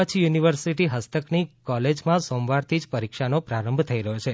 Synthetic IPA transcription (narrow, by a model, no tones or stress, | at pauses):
ət͡ʃʰijuniʋəɾsiʈiɦəst̪əknikɔled͡ʒmãsõmʋaɾt̪ʰid͡ʒpəɾikʃanopɾaɾəmbʱt̪ʰəiɾəɦjot͡ʃʰe